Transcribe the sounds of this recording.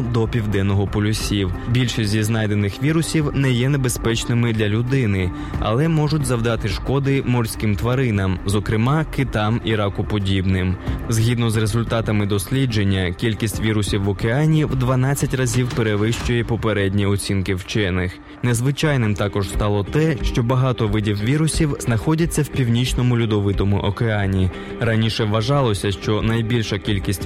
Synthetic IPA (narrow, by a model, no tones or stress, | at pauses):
d̪ɔpʲiwd̪ɛnːɔɦɔpɔlʲʊsʲiwbʲilʲʃisʲtʲziznɑjd̪enɪxʋʲiɾʊsʲiwnɛjɛne̞be̞spɛt͡ʃnɪmɪd̪lʲɐlʲʊd̪ɪnɪ | ɐ̰lˠɛmɔʒʊtʲzɐwd̪ɑt̪ɪʃkɔd̪ɪmɔrʲsʲkɪmt̪ʋɐɾɪnɐmzɔkɾɪmɑkɪt̪ɑmiɾɑkʊpɔdʲibnɪmzɦʲid̪nɔzrezʊlʲt̪ɑt̪ɐmɪd̪ɔsʲlʲid͡ʒe̞nʲːɐkʲilʲkʲisʲtʲʋʲiɾʊsʲiwːɔkeɑnʲiwd̪ʋɐn̪ɑt͡sʲːɐtʲrɐzʲiwpeɾeʋɪʃt͡ʃʊjɛpɔpeɾɛdʲnʲiɔt͡sʲinkɪwt͡ʃɛnɪx | nezʋɪt͡ʃɑjnɪmt̪ɑkɔʒst̪ɑlˠɔt̪ɛʃt͡ʃɔbɐɦɑt̪ɔʋɪdʲiwʋʲiɾʊsʲiwznɐxɔdʲɐt͡sʲːɐwpʲiwnʲit͡ʃnɔmʊlʲʊd̪ɔʋɪt̪ɔmʊ̰ʔɔkeɑnʲi | rɐnʲiʃɛʋːɐʒɑlˠɔsʲɐʃt͡ʃɔnɐjbʲilʲʃɐkʲilʲkʲisʲtʲ